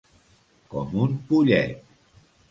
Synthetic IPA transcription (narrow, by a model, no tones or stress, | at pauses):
kɔmumpuʎɛ̰t̪̚